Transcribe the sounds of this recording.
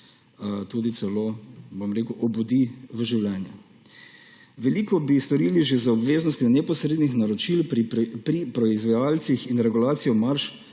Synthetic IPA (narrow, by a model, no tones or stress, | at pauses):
t̪uːd̪it̪sɛloːbomɾeːkuʔɔbud̪iʋəʒiwlɛːnja | ʋɛliːkɔbist̪ɔɾiliʒezaɔbʋeːznɔst̪jɔnɛpɔsɾeːd̪nixnaɾɔt͡ʃilpɾipɾɔizʋɛjaːlt̪sixinɾɛɡulaːt̪sijɔmaɾʃ